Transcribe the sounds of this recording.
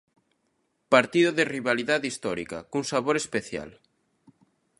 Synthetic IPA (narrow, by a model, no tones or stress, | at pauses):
paɾt̪iðoðeriβaliðaðist̪ɔɾḭka̰kuŋsaβoɾespeθja̰l